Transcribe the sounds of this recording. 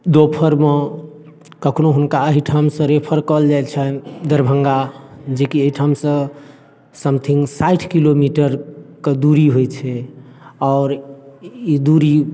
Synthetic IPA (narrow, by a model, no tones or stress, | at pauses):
d̪opʰəɾme | kəkʰnoɦunkaəɦiʈʰamsə̃ɾepʰəɾkəld͡ʒajt͡ʃʰɛd̪əɾbʱəŋɡad͡ʒekiəɦiʈʰamsə̃ | səmt̪ʰiŋɡsaiʈʰkilomiʈəɾked̪uɾiɦojt͡ʃʰɛ | ɔːɾ | id̪uɾi